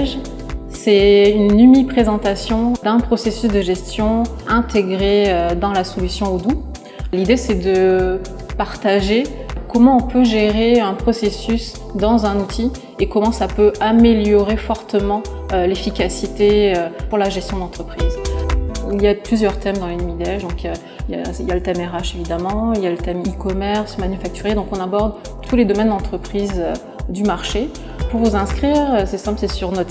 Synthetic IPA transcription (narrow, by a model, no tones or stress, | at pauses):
ʒ | sɛynnymipχezɑ̃t̪asjɔ̃d̪ɛ̃pχɔsesysd̪əʒɛst̪jɔ̃ | ɛ̃t̪eɡʁeød̪ɑ̃lasɔlysjɔ̃od̪u | lid̪esɛd̪ə | paʁt̪aʒekɔmɑ̃ɔ̃pøʒeʁeɛ̃pχɔsesys | d̪ɑ̃zɛ̃nut̪ʰi | ekɔmɑ̃sapøameljɔʁefɔʁt̪əmɑ̃ | ølefikʲasit̪eøpuʁlaʒɛst̪jɔ̃d̪ɑ̃t̪χəpχiz | iljaplyzjœʁt̪ɛmd̪ɑ̃lenmid̪eɛfd̪ɔ̃kø | ija̰iljalət̪ɛmɛʁaʃevid̪amɑ̃iljalət̪ɛmikɔmɛʁsmanyfak̚t̪yʁed̪ɔ̃kɔ̃nabɔʁd̪ | t̪ʰuled̪ɔmɛnd̪ɑ̃t̪χəpχizø | d̪ymaʁʃe | puʁvuzɛ̃skχiːʁsɛsɛ̃pləsɛsyʁnɔt̪